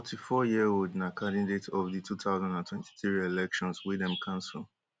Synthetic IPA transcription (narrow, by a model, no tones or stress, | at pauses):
fɔtʰifɔjiəodnakʰãdidetɔvðitʰuθaʊzãndãntʰwɛ̃ntʰi̥θɹielɛkʃɔ̃nswidɛ̃mkʰãʊnslˠ